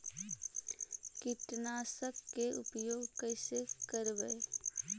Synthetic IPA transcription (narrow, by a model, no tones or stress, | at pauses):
kɪʈnaːsəkːeʊpjoːɡkəɪsekəɾʋəe